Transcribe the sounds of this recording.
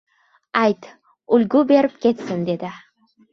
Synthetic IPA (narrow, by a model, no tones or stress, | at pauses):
ajt̪ | ʊlʲɡʊbe̞ɾɪp̚kʲʰe̞t̪sɪnd̪e̞d̪ɪ